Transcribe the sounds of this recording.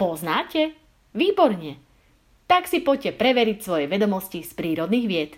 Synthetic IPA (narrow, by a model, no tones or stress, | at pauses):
pɔznaːcɛ | ʋiːbɔɾɲɛ | t̪aksipɔcɛpɾɛʋɛɾicsʋɔjɛʋɛd̪ɔmɔscispɾiːɾɔd̪niːɣʋɪɛt̪